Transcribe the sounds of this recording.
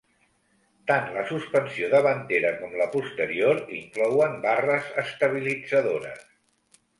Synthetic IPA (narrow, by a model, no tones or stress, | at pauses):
t̪anləsuspənsioðəβənt̪eɾəkɔmləpust̪əɾioɾḭŋklɔwəmbarəzəst̪əβ̞ilid͡zəðoɾə̰s